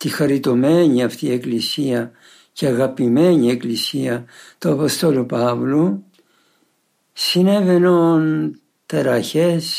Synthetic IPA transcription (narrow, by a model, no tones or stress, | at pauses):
t̪ixɐɾit̪o̞me̞ɲiɐft̪ie̞klisiɐ | ceɐɣɐpime̞ɲie̞klisiɐt̪uɐpost̪o̞lupɐvlu | sine̞ve̞non | t̪eɾɐçes